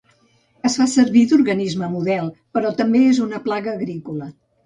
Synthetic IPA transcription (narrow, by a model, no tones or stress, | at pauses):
əsfasəɾβid̪urɣənizməmuðɛlˠpəɾɔt̪əmbeezunəplaɣəːɣɾikulə